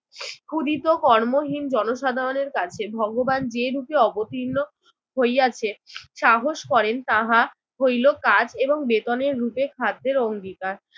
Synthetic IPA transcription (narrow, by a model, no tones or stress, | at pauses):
kʰud̪it̪okɔɾmoɦind͡ʑɔnoʃad̪ʱaɾoneɾkat͡ɕʰebʱɔɡoband͡ʑeɾupeɔbot̪inːo | ɦojat͡ɕʰeʃaɦoʃkɔɾent̪aɦa | ɦojlokad͡ʑeboŋbet̪oneɾːupekʰad̪̚ːeɾoŋɡit̪a